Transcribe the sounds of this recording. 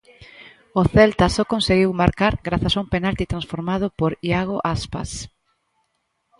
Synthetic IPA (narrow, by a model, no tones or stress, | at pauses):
oθɛlt̪asokõnseɣiwmaɾkaɾɡɾaθasaumpenalt̪it̪ɾãnsfoɾmað̞ʊpoɾiaɣoʔaspa̰s